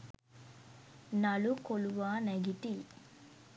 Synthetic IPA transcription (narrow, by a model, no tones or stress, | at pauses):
nɐlukoluʋaːneɡiʈi